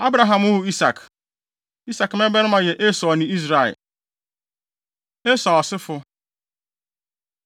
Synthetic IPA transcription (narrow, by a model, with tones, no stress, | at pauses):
a˦bɾa˨ɦa˨mʊ˦ɦʊ˨i˦sa˨k | i˦sa˨km˦e˦be˦ɾɪ˦ma˨je˨ʔe˦sɔ˨ɔ˨nɪ˨i˦zɾa˨ɪ̰˨ | e˦sɔ˨ɔ˨sɪ˦fʊ˦